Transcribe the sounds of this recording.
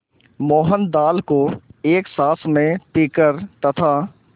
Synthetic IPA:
mɔːɦənd̪aːlkoeːksaːsʰmẽpiːkəɾt̪ɐt̪ʰa

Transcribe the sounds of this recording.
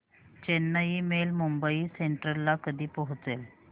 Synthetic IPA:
t͡ɕenːəjimelmumbəiseɳʈəɾlakəd̪ʱiːpəɦut͡sel

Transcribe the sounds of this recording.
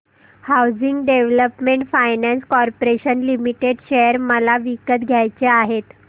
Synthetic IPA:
hawd͡ziŋɡɖeʋləpmeɳʈfajnãnskɔɾpoɾeɕənlimiʈeɖɕejəɾməlaʋikət̪ɡʱjajt͡ɕeaɦet̪

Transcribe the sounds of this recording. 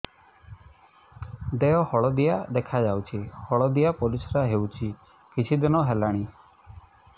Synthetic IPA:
d̪eɔhɔɭɔd̪ijad̪ekʰad͡ʒawt͡ʃʰihɔɭɔd̪ijapɔlisɔɾaɦewt͡ʃʰi | kit͡ʃʰid̪inɔɦelaɽ̃i

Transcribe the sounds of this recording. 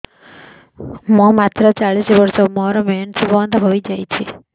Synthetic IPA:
mũmat̪ɾɔt͡ʃaɭisbɔɾsɔmɔɾɔmensibɔnd̪ʱɔɦojd͡ʒajt͡ʃʰi

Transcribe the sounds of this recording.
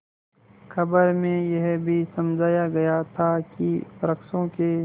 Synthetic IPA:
xɐbəɾmẽjɐɦbʱisɐmd͡ʒʱaːjaɡɐjat̪ʰakipɐɾəksõke

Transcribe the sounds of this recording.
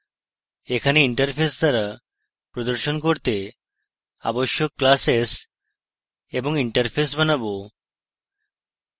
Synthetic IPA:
ekʰaneiɳʈəɾpʰesd̪ʱaɾa | pɾɔd̪əɾʃɔnkɔɾt̪e | a̰bɔʃjokːlases | ebɔŋiɳʈəɾpʰes̬bənabo

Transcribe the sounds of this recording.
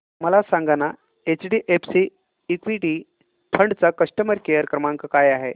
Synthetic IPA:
məlasãŋɡana | et͡ɕɖiːʔepʰsiː | kʋiʈi | pʰəɳɖt͡sakəʂʈəməɾkejəɾkɾəmaŋkəkajaɦe

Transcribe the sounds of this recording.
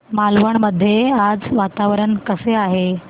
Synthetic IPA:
malʋəɳməd̪ʱːjead͡zʋat̪aʋɾəɳkəseaɦe

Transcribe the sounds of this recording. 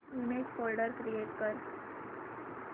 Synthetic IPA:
umekfolɖəɾkɾijeʈkəɾ

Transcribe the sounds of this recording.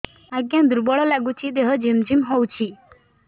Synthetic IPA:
aɡjãd̪uɾbɔɭɔlaɡut͡ʃʰid̪eɦɔd͡ʑimd͡ʑimɦɔwt͡ʃʰi

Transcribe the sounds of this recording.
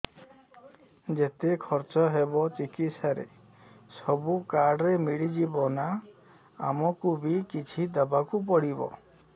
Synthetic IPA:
d͡ʒet̪ekʰɔɾt͡ʃɔɦebɔt͡ʃikit̪saɾḛ | sɔbukaɾɖɾemiɽid͡ʒibɔna | a̰mɔkubikit͡ʃʰid̪ɔbakup̬ɔɽibɔ̰

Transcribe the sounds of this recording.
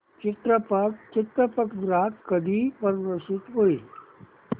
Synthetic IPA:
t͡ʃɪt̪ɾəpəkt͡ʃɪt̪ɾəpəkdɾaːkkɐd̪ʱipɐɾʋəɾsɪt̪ɦoi

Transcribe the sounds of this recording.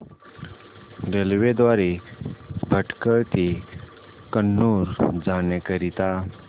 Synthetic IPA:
ɡelʋed̪ʋaɾi | bʱəʈkəɭt̪i | kənːuɾd͡zanekəɾit̪a

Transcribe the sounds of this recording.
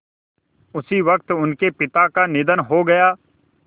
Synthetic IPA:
ʊsiʋɐk̚t̪ʊnkepɪt̪akanɪd̪ənɦoːɡɐjaː

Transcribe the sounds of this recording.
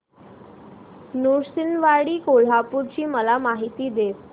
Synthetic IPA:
nuɾsinʋaɽiːkoɭ̤apuɾt͡ɕiːməlamaɦit̪iːd̪es

